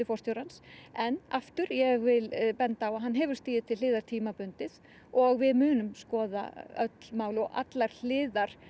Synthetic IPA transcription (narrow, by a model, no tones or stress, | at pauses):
ɪfɔrst̪jowɾansɛnaft̪ʏɾjɛɣvɪlpɛnt̪aːwaɦanːɦɛvʏɾ̥st̪iːðɪt̪ʰɪlɪːðaɾ̥t̪ʰiːmapʏnt̪ɪð | ɔɣvɪðmʏːnʏmskɔːða̰œt̪l̥maːwlɔɣʔa̰t̪laɾ̥l̥ɪːðaɾ̥